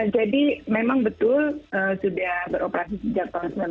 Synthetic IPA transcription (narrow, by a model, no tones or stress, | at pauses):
d͡ʒadimemaŋbət̪ʊləːsudahbəɾopəɾasisəd͡ʒak̚t̪aaŋsmən